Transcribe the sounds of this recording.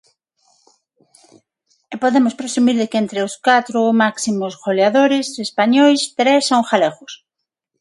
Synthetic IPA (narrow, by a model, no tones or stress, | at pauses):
epoðemʊspɾesumiɾðekent̪ɾeʊskat̪ɾʊmaksimʊsɣoleaðoɾɪsespaɲojst̪ɾesaũxaleɣʊs